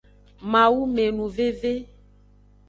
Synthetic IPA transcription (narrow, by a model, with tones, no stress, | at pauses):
mã˨wu˦me˨nũ˨ve˦ve˦